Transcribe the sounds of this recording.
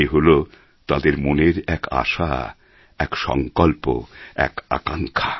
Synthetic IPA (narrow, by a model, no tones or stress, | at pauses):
eɦolo | t̪ad̪eɾmoneɾɛka̰ʃa | ɛkʃɔ̰ŋkolpo̰ɛ̰ka̰kaŋkʰḁ